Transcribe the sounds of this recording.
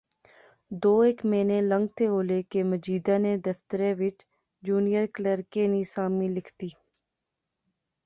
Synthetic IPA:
d̪oːeːkmeːneːlə̃ŋɡ̚t̪ʰeɦoːlekeməd͡ʒiːd̪ãːneːd̪əft̪əɾẽːʋɪt͡ʃ | d͡ʒuːnijəɾkləɾkeːnisaːmĩlɪkʰt̪iː

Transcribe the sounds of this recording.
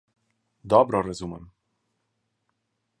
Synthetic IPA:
d̪ɔbɾɔɾɛzumɛm

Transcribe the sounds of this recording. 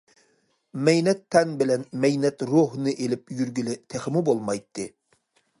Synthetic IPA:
mɛjnɛt̪ʰːɛnbɪlɛnmɛjnɛt̪ɾoɦnɨʔelɪp̚jyɾɡʲylɪt̪ʰɛχɪmubolˠmɑjt̪ʰːɨ

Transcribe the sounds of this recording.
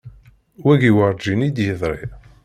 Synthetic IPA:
wæɡiwəɾˤd͡ʒinid̪jəðˤɾˤḭ

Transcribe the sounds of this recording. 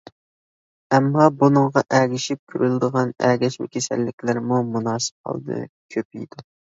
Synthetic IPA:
ɛmːɑbunɨŋʁɑʔæɡʲɪʃip̚kʲʰyɾylˠɪd̪əʁɑnæ̰ɡʲɛʃmɪ̰kʲʰesæ̰lːɪkʲlɪɾmumunɑːsɨ̥p̚qʰɑ̰lˠd̪ɨ̰kʲʰøpḭjd̪̥u

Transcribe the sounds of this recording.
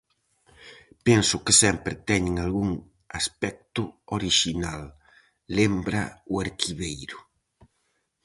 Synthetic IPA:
pɛnsʊkɪsɛmpɾɪt̪ɛɲɪŋalɣuŋ | aspɛk̚t̪ʊoɾiʃinalː | embɾaʊaɾkʰiβejɾʊ

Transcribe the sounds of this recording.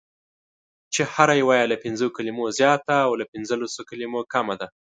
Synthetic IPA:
t͡ʃehaɾajwɑjalapɪnzokalimozjɑt̪aːwlapɪnzəlasokalimokamad̪a

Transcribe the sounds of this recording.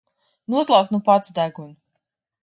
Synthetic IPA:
nuɔslˠawt̪nupat̪sd̪æɡun

